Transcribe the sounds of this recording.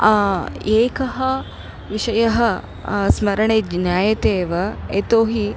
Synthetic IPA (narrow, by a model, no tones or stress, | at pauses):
eːkɐɦɐ | ʋiʂɐjɐɦɐ | smɐɾɐɳeːd͡ʒnjaːjɐt̪eːʋɐet̪oːɦi